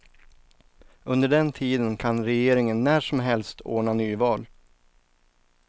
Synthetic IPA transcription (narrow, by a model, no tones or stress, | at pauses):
ɵnd̪əɖɛnt̪ʰiːd̪ənkʰanɾɛjeːɾɪŋənːæːʂɔmɦɛlst̪ʰo̰ːɳanyːvɑːl